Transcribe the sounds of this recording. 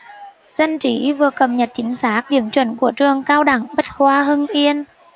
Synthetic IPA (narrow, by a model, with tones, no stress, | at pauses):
z̥ə˧nt͡ɕi˨˦vɨ˨˩əkə˨˩mɲə˨˩t̚t͡ɕï˨˦ŋ̟saː˦˥k̚ɗi˧˩əmt͡ɕwə˧˩nku˧˩ət͡ɕɨ˧˩əŋkaː˧wɗa˧˩ŋɓə˦˥t̚hwaː˧ɦɨ˧ŋʔi˧ən